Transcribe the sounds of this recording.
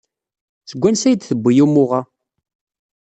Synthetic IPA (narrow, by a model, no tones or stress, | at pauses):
θəɡʷːænsæjd̪θəbʷːijumʊʁa